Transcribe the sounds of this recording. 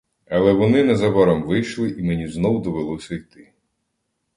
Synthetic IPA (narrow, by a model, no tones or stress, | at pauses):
ɐlˠɛʋɔnɪnɐzɐbɐɾɐmʋɪjʃlˠɪʔimenʲiznɔwd̪ɔʋelˠɔsʲɐijt̪ɪ